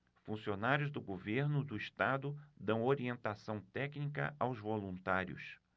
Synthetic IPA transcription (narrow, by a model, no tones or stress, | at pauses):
fũsionaɾjʊzd̪ʊɡoveɾnʊd̪ʊiʃt̪ad̪ʊd̪ɐ̃w̃oɾiẽnt̪asɐ̃w̃t̪ɛknikɐ̰ʔawzvolũnt̪aɾjʊ̰s